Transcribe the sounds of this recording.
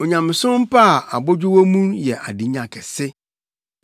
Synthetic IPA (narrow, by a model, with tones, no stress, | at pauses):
o˨ɲã˨mɪ̃˨sʊ̃˦m̩˦pʰa˦˨a˨bɔ˦d͡ʑᶣʊ˦wo˦mũ˦njɛ˨ʔa˨di˦ɲã˨kʰɛ˨sɪ˦